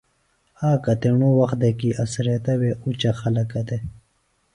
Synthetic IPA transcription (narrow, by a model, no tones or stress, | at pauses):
aːkɐt̪eɳowɐx̚d̪ekiʔɐsɾet̪ɐweut͡ɕaxɐlɐkɐd̪e